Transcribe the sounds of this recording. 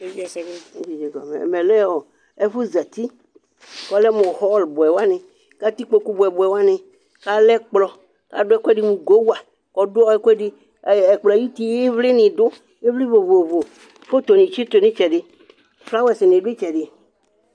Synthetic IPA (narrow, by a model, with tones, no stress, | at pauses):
d͡ʒi˨d͡ʒe˨ɡɔ̰˨mḛ˨me˨lɛ˦ɔ˨ | ɛ˦fu˦za˨t̪i˦ | kɔ˦lɛ˦mɔ̃˨hɔ˦lbʊ˨ɛ˨wa˦nẽ˨ | ka˦t̪i˦k͡po˨ku˦bo˨ɛ˨bʊ˨ɛ˨wa˦nɪ̃˨ | ka˦lɛ˦k͡plɔ˨ | ka̰˦dʊ˦ɛ˦kɛ˦ɖi˦mũ˨ɡo˦wa˨ | kɔ˨dʊ˦ɔ˦ɛ˦kɛ˦ɖi˦˨ | ɛ˨k͡plji˦t̪i˦je˦vlɪ˦nĩ˨d̪ʊ˦ | e˦vli˦vo˨vo˨vo˨ | fo˦t̪o˨nĩ˨t͡ʃi˦t̪o˨nĩ˦t͡ʃɛ˨ɖɪ˦ | fla˦wɛ˨sɪ˨nẽ˨ɖe˦t͡ʃɛ˨ɖɪ˨